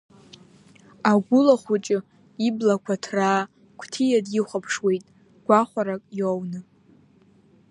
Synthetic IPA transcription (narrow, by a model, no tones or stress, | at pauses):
aɡʷʊlaχʷʊt͡ʃʼɪ | iblakʷʰatʰraː | kʷʰtʰijadjɪχʷapʰʂwe̞jtʼ | ɡʷaχʷaɾakʼjownɨ